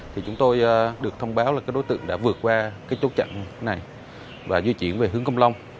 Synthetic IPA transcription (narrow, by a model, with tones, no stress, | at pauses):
t̪ʰi˨˩t͡ɕʊ˨˦ŋ͡mt̪o˧jːɗɨ˨˩ək̚t̪ʰə˧wŋ͡mɓaː˨˦wlaː˨˩kaː˨˦jɗo˨˦jt̪ɨ̰˧˨əŋɗa̰ː˧˥vɨ˨˩ət̚kwaː˧kaː˨˦jt͡ɕo˨˦˥t̚t͡ɕa̰˧˨ŋna˨˩j | vaː˨˩zwi˧t͡ɕḭ˧˩ənve˨˩ɦɨ˨˦əŋkə˧wŋ͡mla˧wŋ͡m